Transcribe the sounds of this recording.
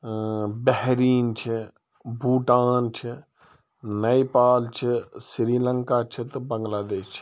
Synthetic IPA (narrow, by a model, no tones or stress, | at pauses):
bɛɦɾiːnt͡ʃʰi | bʱuːʈaːnt͡ʃʰɪ | nɐipaːlt͡ʃʰɪsɾiːlə̃ŋkat͡ʃʰət̪bɐ̃ŋɡlaːd̪eːʃt͡ʃʰ